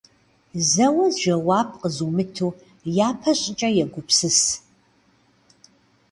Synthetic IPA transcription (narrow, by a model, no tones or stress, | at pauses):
zɐwɐzʒɐwaːp̚ʰqəzumɨtʰuː | jaːpʰɐɕʼɪt͡ʃʼɐjɛɡʷʊpsɨs